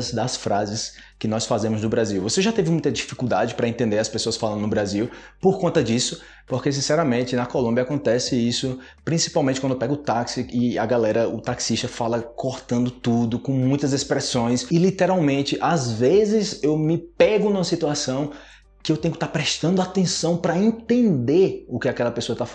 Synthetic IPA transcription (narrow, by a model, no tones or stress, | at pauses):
zd̪ɐsfɾazɪs | kɪnɔsfazẽmʊznʊbɾaziwvoseʒat̪evɪmũj̃t̪ɐd͡ʒifi̥kuwd̪ad͡ʒɪpɾɐẽnt̪ẽnd̪eɾɐspesoɐsfalɐ̃nd̪ʊnʊbɾaziw | poɾkõnt̪ɐd͡ʒisʊ | pohkes̬ĩsɛɾɐmẽt͡ʃɪnɐkolõmbiɐakõnt̪ɛsɪisʊ | pɾĩsi̥pawmẽtt͡ʃɪkɐ̃d̪ewpɛɡʊʊt̪aksiɪɐ̰ɡalɛɾɐʊt̪aksiʃt̪ɐfalɐkoɾt̪ɐ̃nd̪ʊt̪ud̪ʊkõmũj̃t̪ɐzespɾɛsõj̃sɪlit̪eɾawmẽt͡ʃɪʔazvezɪzewmɪpɛɡʊnũmɐsit̪uasɐ̃w̃ | kɪewt̪ẽj̃ʊkɪt̪apɾɛʃt̪ɐ̃nd̪ʊat̪ẽsɐ̃w̃pɾɐẽnt̪ẽnd̪eɾʊkɪakɛlɐpesoɐt̪af